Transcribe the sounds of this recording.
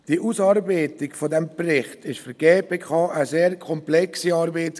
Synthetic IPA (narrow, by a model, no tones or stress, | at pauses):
d̥iəʔusɑːɾbeɪtɪkfɔdɛmprɪχtɪʃfyɾɡ̥eːpeːkʰɑːʔəzeːɾkʰɔmplɛksiɑːɾbeːt